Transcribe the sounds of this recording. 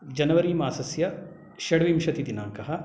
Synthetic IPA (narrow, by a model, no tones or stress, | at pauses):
d͡ʒɐnɐʋɐɾiːmaːsɐsjɐ | ʃɐɽʋimʃɐt̪id̪inaːŋkɐɦɐ̆